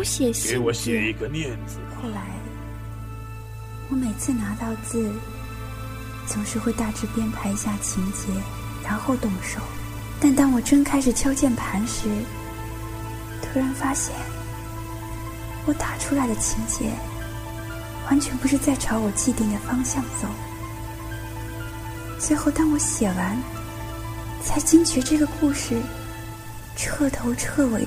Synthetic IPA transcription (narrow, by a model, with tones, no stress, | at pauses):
ɕjɛ˨˩ɕe˧˥ɪwɔ˧˥ɕjɛ˥˨˩i˧˥ɡə˧mjɛ˥˩nt͡sɹ̩˧xo˥˩ʊla˧˥ɪ | wɔ˧˥me˨˩ɪt͡sʰɹ̩˥˩na˧˥t̪ɑ˥˧ʊt͡sɹ̩˥˩˨ | t͡sʰʊ˧˥ŋʂɻ̩˥˧xwe˥˧ɪt̪a˥˩ʈ͡ʂɻ̩˥˩pjɛ˥npʰa˧˥ɪi˧˥ɕja˥˩t͡ɕʰi˧˥ŋt͡ɕjɛ˧˥ | ɻa˧˥nxo˥˧ʊt̪ʊ˥˩ŋʂo˨˩ʊ | t̪a˥˩nt̪ɑ˥ŋwɔ˨˩ʈ͡ʂɤ˥ŋkʰa˥ɪʂɻ̩˨˩t̪ʰjɑ˥ʊt͡ɕjɛ˥˩npʰa˧˥nʂɻ̩˧˥˩ | t̪ʰɤ˥ɻə˥˩nfa˥ɕjɛ˥˩n | wɔ˧˥t̪a˨˩ʈ͡ʂʰu˥la˧˥ɪd̪ə˧t͡ɕʰi˧˥ŋt͡ɕjɛ̰˧˥ | wa˧˥nt͡ɕʰɥɛ˧˥npu˧˥ʂɻ̩˥˧t͡sa˥˩ɪʈ͡ʂʰɑ˧˥ʊwɔ˨˩t͡ɕi˥˧t̪i˥˩ŋd̪ə˩fɑ˥ŋɕjɑ˥˩ŋt͡so˨˩˦ʊ | t͡swe˥˧ɪxo˥˩ʊt̪ɑ˥ŋwɔ˧˥ɕjɛ˨˩wa˧˥n | t͡sʰa˧˥ɪt͡ɕi˥ŋt͡ɕʰɛ˧˥ʈ͡ʂɤ˥˩ɡə˩ku˥˧ʂɻ̩˥˩ | ʈ͡ʂʰɤ˥˩t̪ʰo˧˥ʊʈ͡ʂʰɤ˥˩we˧˥ɪ